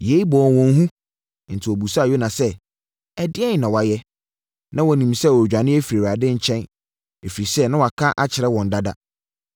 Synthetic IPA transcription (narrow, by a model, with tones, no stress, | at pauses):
je˨˦i˦bɔ˨wɔ̃˨n˦ɦũ˦ | n̩˨tʰɪ˨ɔ˨bu˨sa˦˨jo˦nã˨sɛ˦ | ɛ˨dɪ˦ɛ˦n˨nã˨wa˨jɛ˦ | nã˦wɔ˨nĩ˨msɛ˦˨wɔ˨d͡ʑᶣã˨nɪ̃˦ɛ˦fi˨ɾe˨wa˨dɪ̃˦ɲ̩˦t͡ɕʰɛ̃˦n | e˨fi˨ɾi˨sɛ˦nã˦wa˨kʰã˦ʔa˦t͡ɕʰɪ˨ɾɛ˦wɔ̃˨n˨da˦da̰˦